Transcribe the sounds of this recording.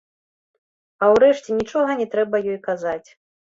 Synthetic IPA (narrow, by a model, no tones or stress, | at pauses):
ɐwɾɛʂt͡sʲɛnʲit͡ʂɔɣɐnʲɛt̪ɾɛbɐjɔjkazat͡sʲ